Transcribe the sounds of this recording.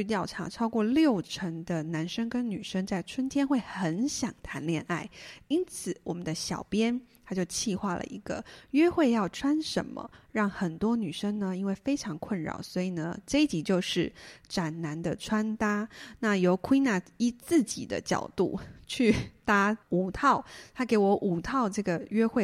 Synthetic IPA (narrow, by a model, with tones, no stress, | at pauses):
y˥˧t̪̬jɑ˥˩ʊʈ͡ʂʰa̰˧˥ʈ͡ʂʰɑ˥ʊkwɔ˥˧ljo˥˨˩ʊʈ͡ʂʰə˧˥ŋd̪ə˧na˧˥nʂə˥ŋkə˥nny˨˩ʂə˥ŋt͡sa˥˩ɪʈ͡ʂʰwə˥nt̪ʰjɛ˥nxwe˥˩ɪxə˧˥nɕjɑ˨˩ŋt̪ʰa˧˥nljɛ˥˧na˥˩ɪi˥nt͡sʰɹ̩˨˩˦wɔ˨˩mə˦nd̪ə˦ɕjɑ˨˩ʊpjɛ˥nt̪ʰa˥t͡ɕjo˥˧ʊt͡ɕʰi˥˧xwa˥˩lə̰˩i˧˥ɡ̥ə̰˧ɥɛ˥xwe˥˧ɪjɑ˥˩ʊʈ͡ʂʰwa˥nʂə̰˧˥nmə̰˧ɻɑ˥˩ŋxə˨˩nt̪wɔ˥ny˨˩ʂə˥ŋnə˨i˥nwe˥˩ɪfe˥ɪʈ͡ʂʰɑ˧˥ŋkʰwə˥˩nɻɑ̰˨˩ʊswɔ˧˥i˨˩nə˦ʈ͡ʂe˥˧˦t͡ɕi˧˥˩t͡ɕjo˥˧ʊʂɻ̩˥˩ʈ͡ʂa˨˩nna˧˥nd̪ə˧ʈ͡ʂʰwa˥nt̪a˥na˥˩jo˧˥ʊkʰwi˥na˥˩i˥t͡sɹ̩˥˩t͡ɕḭ˨˩d̪ə̰˦t͡ɕjɑ̰˨˩ʊt̪ṵ˥˩t͡ɕʰy˥˩t̪a˥u˨˩t̪ʰɑ˥˩ʊt̪ʰa˥ke˧˥ɪwɔ˧˥ʔu˨˩t̪ʰɑ˥˧ʊʈ͡ʂɤ˥˩ɡə˩ɥɛ˥xwe˥˩